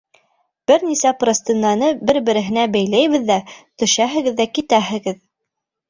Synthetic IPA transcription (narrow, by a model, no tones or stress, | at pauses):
b̥ɘɾnisæprosʲt̪inːɑnɤbɘɾbɘ̆ɾɘ̆ɦɘ̆næbæjlæjβɘ̆ðːæt̪ɵ̆ʃæɦɘ̆ɡɘ̆ðːækit̪æɦɘ̆ɡɘð